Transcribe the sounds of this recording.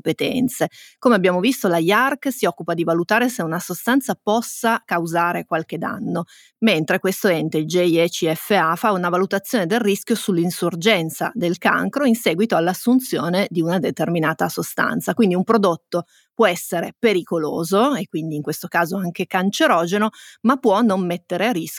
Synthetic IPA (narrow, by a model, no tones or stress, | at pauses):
pet̪ɛ̰nt̪sekomeabːjaːmovist̪olajarksiɔkːupad̪ivalut̪aːɾeseunasost̪ant̪sapɔsːakawzaːɾekwalk̟ed̪a̰nːo | ment̪ɾekwest̪oɛnt̪eild͡ʒeiɛt͡ʃiɛfːeafaunavalut̪at̪sːjoːned̪erriskʲjosulːinsurd͡ʒɛnt̪sa̰d̪elka̰ŋkɾoinsɛːɡwit̪oalːasːunt̪sjoːned̪iunad̪et̪erminaːt̪asost̪a̰nt̪sakwind̪iumpɾod̪ot̪ːo | pwɔɛsːeɾepeɾikolo̰ːzoekːwind̪iːŋkwest̪okaːzoaŋkekant͡ʃeɾɔːd͡ʒenomapːwɔnːomːet̪ːeɾearisk